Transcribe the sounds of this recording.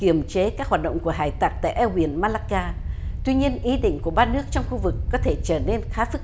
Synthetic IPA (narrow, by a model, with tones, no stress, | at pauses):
ki˧˩əmt͡ɕe˨˦kaː˦˥k̚hwaː˨˩t̚ɗo̰˧˨wŋ͡mku˧˩əɦaː˧˩jt̪aː˨˩t̚t̪a̰ː˧˨jʔɛ˧wɓi˧˩ənmaː˧laː˧kaː˧t̪wi˧ɲi˧ənʔi˨˦ɗḭ̈˧˨ŋ̟ku˧˩əɓaː˧nɨ˦˥ək̚t͡ɕɔ˧wŋ͡mxu˧vɨ˨˩kːɔ˨˦t̪ʰe˧˩t͡ɕəː˧˩ne˧nxaː˨˦fɨ˦˥k̚